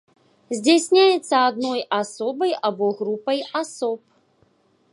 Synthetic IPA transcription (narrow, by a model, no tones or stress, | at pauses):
zʲd͡zʲesʲnʲajɛt̪sːɐad̪nɔjasɔbɐjabɔɣɾupɐjasɔp̚